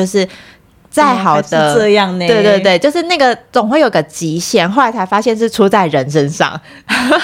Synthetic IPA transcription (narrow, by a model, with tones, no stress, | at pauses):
o˧ʊʂɻ̩˥˩ | t͡sa˥˩ɪxɑ˨˩ʊd̪ə˧˦˥jɑ˥˨ŋ˧we˥˧ɪt̪we˥˧ɪt͡ɕt̪̬we˥˧ɪt͡ɕjo˥˧ʊʂɻ̩˥˧na˥˩ɡə˨˩t͡sʊ˨˩ŋxwe˥˩ɪjo˨˩i˧ɡə˧˩t͡ɕi˨˥ɕjɛ˥˩nxo˥˩ʊla˧˥ɪt͡sʰa˧˥ɪfa˥ɕjɛ˥˧nʂ̬ɻ̩˥˩ʈ͡ʂʰu˥t͡sa˥˩ɪɻə˧˦nʂə˦nʂɑ̰˥˨ŋ